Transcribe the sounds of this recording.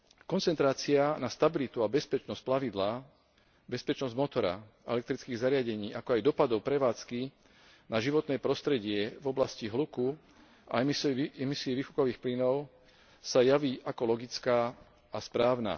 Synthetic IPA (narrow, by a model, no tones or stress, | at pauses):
kɔnt͡sɛnt̪ɾaːt͡sɪanast̪abilit̪uabɛspɛt͡ʃnɔsc̚plaʋid̪la | bɛspɛt͡ʃnɔzɟmɔt̪ɔɾa̰ | ɛ̰lɛkt̪ɾit͡skiːɣzaɾɪaɟɛɲiːʔakɔajd̪ɔpad̪ɔʊpɾɛʋaːt͡ski | naʒiʋɔt̪nɛːpɾɔst̪ɾɛɟɪɛvɔblasciɦluku | a̰ɛmisiːʋiːxu̥kɔʋiːxplinɔʊ | sajaʋiːʔakɔlɔɡit͡skaː | aspɾaːʊna̰